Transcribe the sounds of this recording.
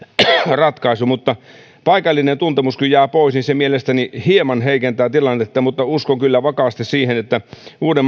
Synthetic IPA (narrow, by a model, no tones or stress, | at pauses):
rɑt̪kɑisumut̪ːɑ | pɑikɑlːinent̪unt̪emuskyjæːpoisnisemielest̪ænihiemɑnheikent̪æːt̪ilɑnːet̪ːæmut̪ːɑuskokylːæʋɑkɑst̪issiːhenet̪ːæuːdem